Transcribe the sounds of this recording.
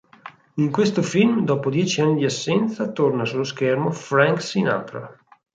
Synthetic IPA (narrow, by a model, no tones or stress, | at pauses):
iŋkwest̪ofilmd̪ɔːpod̪jɛːt͡ʃianːid̪iasːɛnt̪sat̪ornasulːoskermofɾaŋksina̰t̪ɾa̰